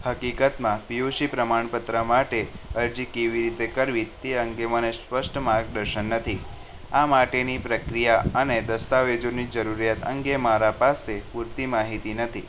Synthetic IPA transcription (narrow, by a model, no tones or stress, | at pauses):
həkikət̪mãpijoʃipɾəmaɳ̃pət̪ɾəmaʈeəɾd͡ʒikeʋiɾit̪ekəɾʋit̪eəŋɡemənespəʃʈmaɾɡ̚ɖəɾʃənːət̪ʰi | amaʈenipɾəkɾijaəned̪əst̪aʋed͡ʒonid͡ʒəɾuɾijat̪əŋɡemaɾapasepuɾt̪imaɦit̪inət̪ʰi